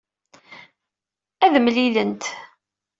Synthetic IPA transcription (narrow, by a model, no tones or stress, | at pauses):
æðmlilənt̪